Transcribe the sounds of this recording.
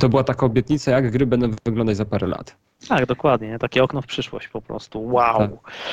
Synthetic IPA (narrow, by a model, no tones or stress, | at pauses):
t̪ɔbɘwat̪akaɔbʲjɛt̪ɲit̪sajaɡɡɾɘbɛnd̪ɔ̃w̃vɘɡlɔnd̪at͡ɕd͡ʑʲzapaɾɛla̰t̪ | t̪aɡd̪ɔkwad̪ɲɛt̪akʲɛɔknɔfpʂɘʂwɔ̰ɕt͡ɕpɔpɾɔ̰st̪uwaa